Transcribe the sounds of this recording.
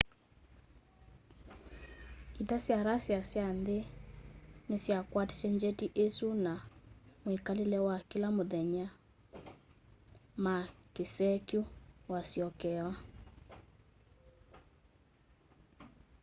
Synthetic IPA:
itasjaɾasjasjande | nesjakwatsɛɲd͡ʒɛtiʔesunamwekalelɛwakilamoðɛɲa | makesɛkjuwasjɔkɛwa

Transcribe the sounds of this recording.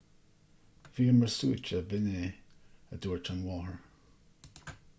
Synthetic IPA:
viːəməɹsṵːt͡ʃəbɪne | əduːɹtʰanwɔːhəɹ

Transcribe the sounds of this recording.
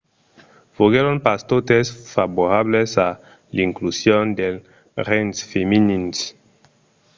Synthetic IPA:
foɣeɾonpast̪ot̪esfaβoɾaβlesa | liŋklusjond̪el | ɾensfeminins

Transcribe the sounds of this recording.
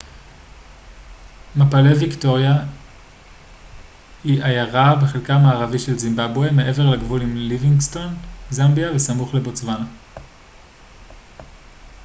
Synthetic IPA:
mapalevikto̞ʁja | hiʔajaʁabeχelkaːmaːʁaviʃe̞lzimbabwemeʔe̞veʁlaɡvulimliviŋsto̞nzambiavesamuχle̞bo̞t͡svana

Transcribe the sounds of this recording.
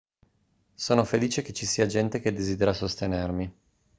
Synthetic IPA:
soːnofeliːt͡ʃeket͡ʃːisiːad͡ʒɛnt̪ek̟ed̪ːeziːd̪eɾasost̪enermi

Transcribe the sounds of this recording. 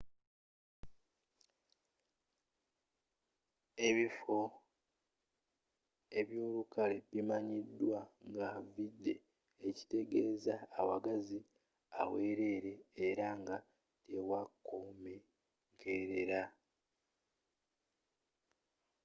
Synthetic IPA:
e̞βifo̞ | e̞βjo̞ːlukaleβimaɲidːwaŋɡavidːe̞ː | ci̥te̞ɡe̞ːzaːwaɡazi | a̰we̞ːɾe̞ːɾe̞ːɾaŋɡa | tʰe̞wakːome̞ | ɡe̞ɾe̞ɾa

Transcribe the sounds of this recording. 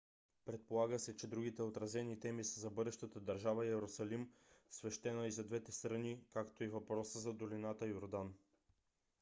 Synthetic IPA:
pɾɛt̪̚polˠaɡəsɛt͡ʃɛd̪ɾuɡ̟it̪ɛot̪ɾɐzɛnit̪ɛmisəzɐbɤd̪ɛʃt̪ət̪əd̪ɐɾʒavɐiɛɾosɐlimsvɛʃt̪ɛnəizɐd̪vɛt̪ɛst̪ɾɐnikakt̪oivɐpɾɔsəzɐd̪olinat̪əjoɾd̪an

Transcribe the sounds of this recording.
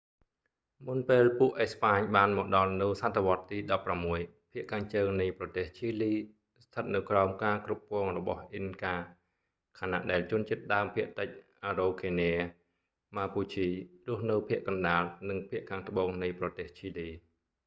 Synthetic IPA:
munpeːlpuəʔehspaːɲɓaːnmɔːɗɑlnɨwsat̪ʰːeʋŏət̪ːiːɗɑpːramːuəj | pʰiəʔkʰaːŋt͡ɕəːŋnɨjprɑt̪eːht͡ɕʰiːliː | st̪ʰət̪̚nɨwkraɔmkaːkrup̚kɔəŋrɔɓɑ̰hʔinkaː | kʰana̰ʔɗaɛlt͡ɕuənt͡ɕiət̪̚ɗaəmpʰiəʔt̪ɨc̚ʔaːroːkʰeːneə | maːpuːt͡ɕʰiːrʊ̆əhnɨwpʰiəʔkɑnɗaːlnɨŋpʰiəʔkʰaːŋt̪əɓoːŋnɨjprɑt̪eːht͡ɕʰiːliː

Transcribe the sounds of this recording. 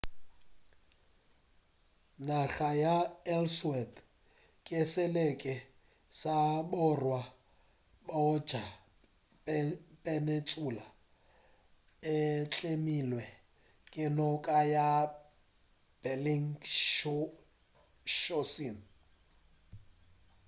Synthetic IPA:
naɣajaɛlswɛt | kʼɪsɛlekʼɛ | sabʊrwa | baɔ̥ʒ̥ʱa | pʼɛnet͡sʼula | ɪt͡ɬʼemilwɛ | kʼɪnɔkʼaja | b̥ɛliŋ | ʃosin

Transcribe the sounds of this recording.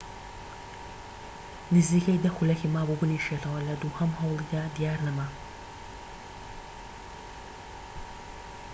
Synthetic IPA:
nɨziːkɐjd̪ɐxulɐkiːmaːbubɨniʃet̪ʰɐwɐlɐd̪uhɐmhɐwlˠid̪aːd̪ijaːɾnɐmɐ

